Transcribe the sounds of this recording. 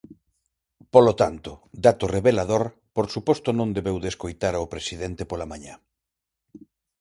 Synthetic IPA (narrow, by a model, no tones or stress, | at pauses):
polot̪ant̪ʊd̪at̪ʊreβelaðoɾ | poɾsupɔst̪ʊnõnd̪eβewðeskojt̪aɾaopɾesiðent̪epolamaɲa